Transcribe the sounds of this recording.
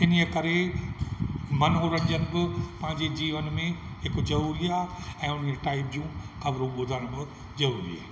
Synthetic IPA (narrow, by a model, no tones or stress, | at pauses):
ɪniəkɐɾe | mɐnɦoɾɐ̃nd͡ʑənɪ̆bɪpɐ̃ɦɪ̃ɲd͡ʑed͡ʑiːʋənmẽɦɪkzɐɾuːɾiaːɛ̃ːʊn̤eʈaːɪpd͡ʑũkɐbɾũɠʊd̪ʱənʊbɪ | zɐɾuːɾḭa̰ː